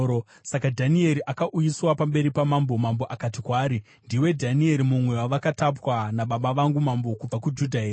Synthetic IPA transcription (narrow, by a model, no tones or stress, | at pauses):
o | sakadʱanie̞ɾiʔakaʔujiswapambe̞ɾipamambo̞mambo̞ʔakatikwaːɾi | ndiwe̞dʱanie̞ɾimumwe̞waʋakatapwanaɓaɓaʋaŋɡumambo̞kub͡vakud͡ʒudʱaɦeːr